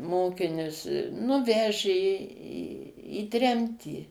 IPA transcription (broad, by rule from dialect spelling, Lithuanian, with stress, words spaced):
ˈmoːkʲɪnʲʊs nʊ ˈʋʲæːʒʲeː iː iː ˈtʲrʲɛmʲtʲiː